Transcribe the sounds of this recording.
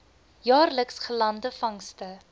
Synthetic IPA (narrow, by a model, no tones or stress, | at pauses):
jɑːrləksχəlɐndəfɐŋstə